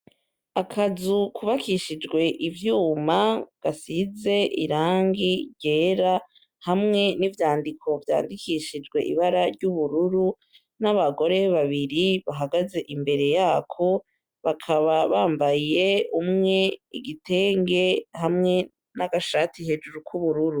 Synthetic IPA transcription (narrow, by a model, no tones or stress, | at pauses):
akʰazukuβakʰiʃid͡ʒɡwe̞ʔivjuːmaɡ̥asize̞ʔḭɾaːŋɡiɾɟe̞ːɾa | hamŋe̞nivjaːndikʰo̞vja̰ːndikiʃid͡ʒɡwe̞̰ʔḭβaɾaɾɟuβuɾuɾu | naβaɡo̞ɾe̞βaβiɾiβaɦaɡaze̞ʔimbe̞ɾe̞jaːkʰo̞ | βakʰaβaβaːmbaje̞umŋe̞iɡitʰe̞ːŋɡe̞hamŋe̞ | naɡaʃatihe̞d͡ʒuɾukʰuβuɾuɾu